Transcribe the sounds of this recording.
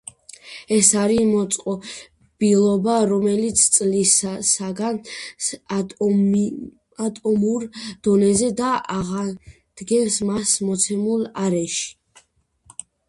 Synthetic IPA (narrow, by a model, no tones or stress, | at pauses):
ɛsaɾimɔt̪sʼqʼɔ | b̥ilˠɔbaɾɔmɛlit̪sʰt̪sʼlissaɡan | at̪ʼɔmuɾd̪̥ɔnɛzɛd̪aaʁa | d̪̥ɡɛvsmasmɔt̪sʰɛmulˠaɾɛʃi̥